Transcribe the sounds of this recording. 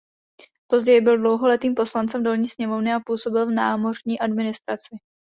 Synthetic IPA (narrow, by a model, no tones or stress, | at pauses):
po̞zɟɛjɪbɪldlo̞wɦo̞lɛt̪iːmpo̞slant͡sɛmdolɲiːsɲɛmo̞vnɪapuːso̞bɪlvnaːmo̞r̝ɲiːʔadmɪnɪst̪ɾat͡sɪ